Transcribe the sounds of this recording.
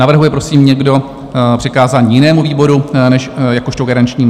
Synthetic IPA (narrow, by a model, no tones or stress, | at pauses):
navr̩ɦujɛpɾo̞siːmɲɛɡdo̞ | pr̥ɪkaːzaːɲiːjɪnɛːmuviːbo̞ɾunɛʃjakoʃt̪oɡaɾant͡ʃɲiː